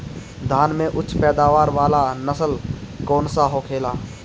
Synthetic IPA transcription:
d̪ʱaːnmẽʔʊtːt͡ʃʰpɛːd̪aːʋaːɾʋaːlanəsəlkɔːnsaɦoːkʰeːlaː

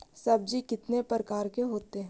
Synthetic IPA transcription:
sɐb̚d͡ʒikɪt̪nepəɾəkaːɾkeɦoːt̪eɦɛ̃

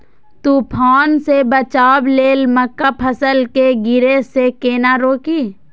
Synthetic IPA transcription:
t̪upʰaːnsebət͡ʃaːbleːlməkːapʰəsəlkeɡɪɾesekeːnaɾoːkiː

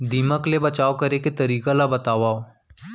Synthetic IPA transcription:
d̪iːməklebət͡ʃaːokəɾeket̪əɾiːkalabət̪aːʋaːo

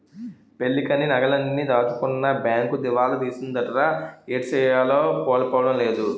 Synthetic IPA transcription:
pe̞lːikɐninɐɡɐlɐnːid̪aːt̪ɐkunːɐbjaːŋkud̪iʋaːlud̪iːsind̪ɐɾɾaeːʈsɛːjaːloːkoːlɐpoːʋɐɽɐmle̞ːd̪u

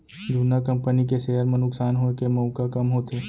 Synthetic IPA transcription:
d̪ʱuːnakɐ̃mpənikeseːɦəɾmẽnʊksaːnɦoːkemɔ̃ːkakɐmɦoːt̪eː

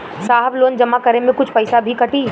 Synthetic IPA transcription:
saːɦəbloːnd͡ʒɐmakəɾemẽkʊt͡ʃʰpɐɪsabʱikɐʈiː

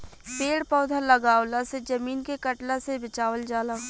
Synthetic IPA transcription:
peːɽpɔːd̪ʱaləɡaːwlased͡ʒɐmiːnkekəʈlasebɪt͡ʃaːwəld͡ʒaːla

